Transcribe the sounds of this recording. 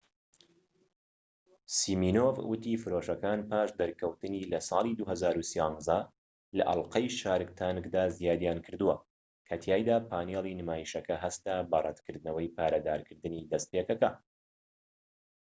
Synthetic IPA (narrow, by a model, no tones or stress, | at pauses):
siːmiːnoːvwɨt̪ifɨɾoːʃɐkaːnpʰaːʃd̪ɐɾkʰɐwt̪ɨnilɐsˤɑːlˠid̪uɦɐzaːɾusijɑnzɐ | lɐ̰ʔɐ̰lqɐjʃaːɾɨk̚t̪ʰaːnɨkd̪aːzijaːd̪jaːnkʰɨɾd̪uwɐ | kʰɐt̪ʰjaːjd̪aːpʰaːneːlˠinɨmaːjiʃɐkɐɦɐst̪aːbɐrˤɐ̰t̪kʰɨɾd̪ɨnɐwɐjpʰaːɾɐd̪aːɾkʰɨɾd̪ɨniːd̪ɐst̪̚pekɐkɐ